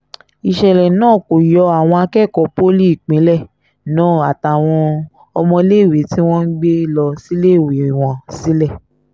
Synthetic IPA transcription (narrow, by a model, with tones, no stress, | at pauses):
i˨ʃɛ˧lɛ˨nãː˦˨ko˨jɔ˧˦a˨w̃ɔ̃˧a˧kɛ˦˨kɔ˨˦po˦li˦i˦˨k͡pẽ˨˦lɛ˦˨ | nãː˦˨a˨ta˨w̃ɔ̃˧ | ɔ˧mɔ̃˧le˦˨wi˨˦ti˦w̃ɔ̃˦n̩˦ɡ͡be˦lɔ˧si˦le˦˨we˨w̃ɔ̃˨˦si˨˦lɛ˦˨